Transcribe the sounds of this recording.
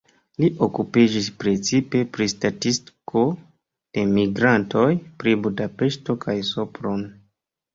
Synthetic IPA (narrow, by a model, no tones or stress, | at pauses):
liʔo̞kupid͡ʒispɾe̞t͡sipe̞pɾistatistkʰo̞ | d̥e̞miɡɾanto̞jpɾibudape̞ʃto̞kʰajsopɾon